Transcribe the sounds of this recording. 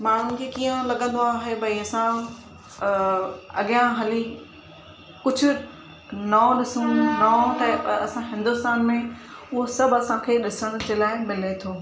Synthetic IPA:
maːɳ̤unɪ̆kʰeːkiːə̃lɐɠə̃nd̪oaːɦebʱɐiɐsã | ɐ̰ɠɪjãɦɐli | kʊd͡ʑʱʊ̆ | naːɗɪsũnaːt̪aɐsãɦɪ̃nd̪ʊst̪aːnmẽʊɦosɐbʱɐsãkʰeːɗɪsəɽ̃ʊ̆d͡ʑeːlaːɪmɪlet̪ʰoː

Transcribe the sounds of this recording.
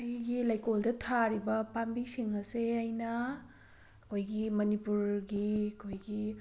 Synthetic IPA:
ajɡilajkoldɐtʰaɾibɐpambisiŋɐseajnɐ | ɐkʰojɡimɐnipuɾɡiɐkʰojɡi

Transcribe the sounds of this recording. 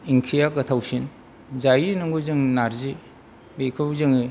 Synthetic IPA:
iŋkʰijakɐtʰawsin | zajinɯŋɡozɯŋnaɾzi | bekʰɯwzɯŋi

